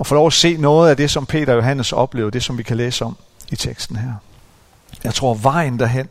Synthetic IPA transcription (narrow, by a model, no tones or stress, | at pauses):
ɒ̽fo̽lɒʊæse̝̰ːnɔ̽ːð̞̩ˠæd̥e̝sɒ̽mpʰe̝̰ːɾ̥ɐɒjo̝ɦæn̰əsɒ̽b̥le̝ːʊɐd̥e̝sɒ̽mʋikʰæleːsəɒ̽m | it͡sʰeɡ̥sd̥n̩ɦæɐ̰ | jɑ̈ɪt͡sʰʁo̝̰ɐ̰ʋɑ̈ɪ̰n̩d̥æɐɦen̰